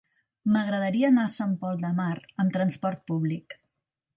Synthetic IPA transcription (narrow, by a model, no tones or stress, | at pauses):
məɣɾəðəɾiəːnasampɔlˠd̪əmaɾəmt̪ɾənspɔɾt̪̚puβlik